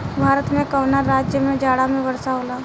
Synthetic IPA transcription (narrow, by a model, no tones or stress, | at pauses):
bʱaːɾət̪mẽkəʋnaːaːd͡ʒjəmẽd͡ʒaːɽamẽʋɐɾsaɦoːlaː